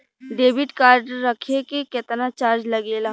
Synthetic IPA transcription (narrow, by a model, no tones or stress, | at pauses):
ɖeːbɪʈkaːɾɖəɾːəkʰekeket̪nat͡ʃaːɾd͡ʒlɐɡeːla